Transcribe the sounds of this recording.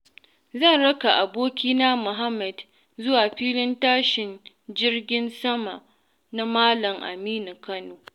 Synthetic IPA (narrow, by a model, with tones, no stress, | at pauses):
zɐ˦˨nɽɐ˦ka˨ʔa˨boː˦kʲiː˦naː˦mʊ˨ɦa˦mːɐ˨d | zʊ˦waː˨ɸiː˦lɪ˦ntaː˦ʃɪ˨n | d͡ʒɪ˦rɡʲɪ˦nsɐ˦ma̰˨ʔ | na˦maː˦lɐ˨ŋʔa̰˨miː˦ni˨kɐ˦noː˨